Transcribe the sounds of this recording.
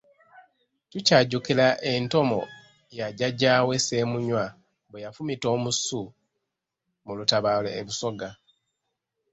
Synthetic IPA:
tucaːɟukilaʔe̞nto̞mo̞̰ | jaɟaɟaːwe̞se̞ːmuɲwa | bwejafumito̞ːmusu | mulutaβalo̰eβuso̞ɡa

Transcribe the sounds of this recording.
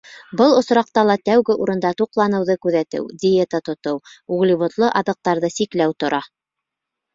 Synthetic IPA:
bɤlˠŏsɾɑq̚t̪ɑlˠɑt̪æwɡɘʔuɾɤ̆nd̪ɑt̪uqlˠɑnɤ̆wðɤkʉðæt̪ɘ̰wdʲɪjet̪ət̪ŏt̪ɤwuʁlʲiβŏt̪lˠɤʔɑðɤ̆q̚t̪ɑɾðɤsiklæwt̪ŏɾʔɑ

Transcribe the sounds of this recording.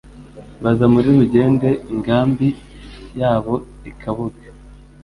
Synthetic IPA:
βazamuɾiɾuɟe̞ːnde̞iŋɡaːmbi | jaːβo̞ | ikʰaβuɡḁ

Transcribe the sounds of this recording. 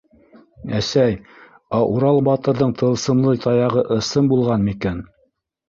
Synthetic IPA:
æsæj | ɑʔuɾɑlˠbɑt̪ɤ̆ɾðɤɴt̪ʰɤ̆lˠsɤ̆mlˠɤjt̪ʰɑjɑʁɤʔɤ̆sɤmbulˠʁɑnmikæn

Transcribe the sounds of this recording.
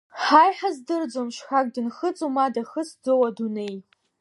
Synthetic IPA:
ħajħazdɨrd͡zomʃħʷak̚ʼdɨnχət͡sʼumadaχəsd͡zowadune̞j

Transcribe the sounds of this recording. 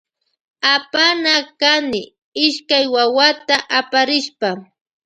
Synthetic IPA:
apanakanɪ | ɪʃkajwawat̪aʔapaɾɪʃpa

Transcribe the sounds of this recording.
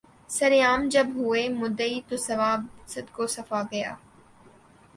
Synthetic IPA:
sɐɾjaːmd͡ʒɐbɦʊeːmʊd̪əit̪oːsɐʋaːbsɪd̪koːsɐfaɡɐja̰ː

